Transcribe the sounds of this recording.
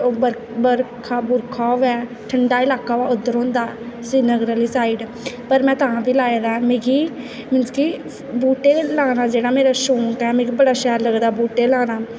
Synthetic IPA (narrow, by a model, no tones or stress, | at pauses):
oːbəɾ | bəɾkʰaːbʊɾkʰaːoʋɛː | ʈʰəɳɖaːɪlaːkːaːʋaːʊd̪əɾõːnd̪aːsiːnəɡɾəliːsaːɪɖ | pəɾmɛ̃ːt̪əɦãːbiːlaːed̪amẽːɡʰiː | mɪnski | buːʈeːlaːnaːd͡ʒeːɽaːmeːɾaːʃoːŋkɛːmẽːɡiːbəɽaːʃɛːɾləɡd̪aːbuːʈeːlãːnaː